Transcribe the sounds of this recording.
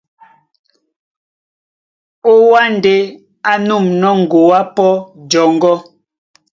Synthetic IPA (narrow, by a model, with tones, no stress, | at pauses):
o˦wa˦n̩˨de˨ | a˦nu˦˨mnɔ˦ŋ̩˨ɡo˨wa˦pɔ˦d͡ʒɔ˨ŋ̩˦ɡɔ˦